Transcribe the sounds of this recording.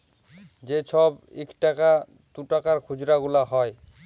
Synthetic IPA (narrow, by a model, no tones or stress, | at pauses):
d͡ʑet͡ɕʰɔbḭkʈaka | d̪uʈakaɾkʰud͡ʑɾaɡulaɦɔe